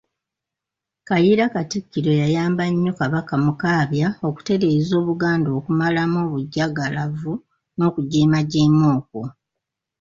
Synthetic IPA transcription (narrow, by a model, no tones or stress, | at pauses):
kajiɾakatikːiɾo̞jajaːmbaɲːo̞kaβakamukaːβjao̞ku̥te̞ɾe̞ːzo̞ːβuɡaːndo̞ːkumalamo̞ːβuɟːaɡalavu | no̞ːkuɟeːmaɟeːmo̞ːko